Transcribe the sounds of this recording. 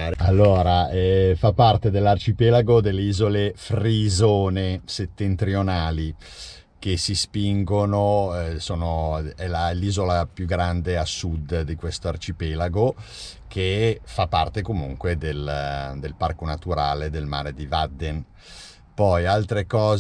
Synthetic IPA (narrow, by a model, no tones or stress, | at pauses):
alːoːɾaɛfapːart̪ed̪elːart͡ʃipɛlaɡod̪elːeiːzolefrizoːneset̪ːent̪ɾionaːli | k̟esispiŋɡonosoːnoɛlalːiːzolapjuɡɾand̪easud̪d̪ikwest̪oart͡ʃipɛlaɡo | kʰefapːart̪ekomuŋkwed̪eld̪elparkonat̪uɾaːled̪elma̰ːɾed̪ivad̪ːen | pɔjalt̪ɾekɔːz